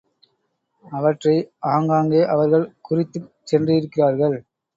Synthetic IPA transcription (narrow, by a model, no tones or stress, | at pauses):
ɐʋɐʈrɐɪaːŋɡaːŋɡeːʔɐʋɐɾɣɐɭkʊrɪt̪ːɯ | sɛndrɯjɪɾɯkːɪraːɾɣɐɭ